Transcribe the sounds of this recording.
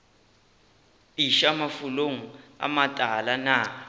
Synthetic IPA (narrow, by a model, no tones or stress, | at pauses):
iʃamafuloŋ̩a̰matʼalana